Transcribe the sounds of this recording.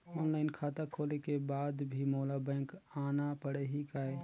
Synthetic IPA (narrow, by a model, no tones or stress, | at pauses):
ɔːnlaːɪnkʰaːt̪akʰoːlekebaːd̪bʱimoːlabɛ̃ːŋkaːnapəɽeɦikaːe